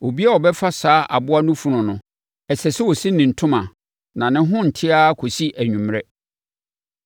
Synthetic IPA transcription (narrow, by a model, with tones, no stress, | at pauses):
o˨bi˦a˦wɔ˨bɛ˦fa˦saː˦ʔa˨bʊ˦a˦nʊ̃˦fu˨nʊ̃˨nʊ̃˨ | ɛ˨sɛ˨sɛ˦wo˨sĩ˦nɪ̃˨n̩˨tʰʊ̃˦mã˨ | nã˨nɪ̃˦ɦʊ̃˦n̩˨tʰɪ˦a˦kʰo˨si˦ʔæ˨ɲᶣũ˨m˦ɾɛ˦